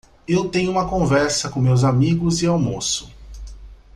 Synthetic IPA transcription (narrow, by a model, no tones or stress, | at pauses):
ewt̪ẽj̃ʊũmɐkõvɛɾsɐkõmewzamiɡʊzɪawmosʊ̥